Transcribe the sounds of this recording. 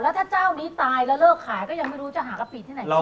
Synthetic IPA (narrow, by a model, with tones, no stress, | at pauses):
lɛ˦˥t̪ʰaː˥˩t͡ɕaː˥˩wniː˦˥t̪aː˧jlɛ˦˥lɤː˥˩kʰːaː˨˩˦jkɔː˥˩ja˧ŋma˥˩jɾu˦˥t͡ɕa˨˩ɦaː˩˦ka˧˩pi˨˩t̪ʰiː˥˩a˨˩˦